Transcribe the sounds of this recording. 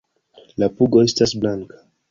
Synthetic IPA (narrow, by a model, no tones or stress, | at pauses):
lapuɡo̞e̞stasblaŋkḁ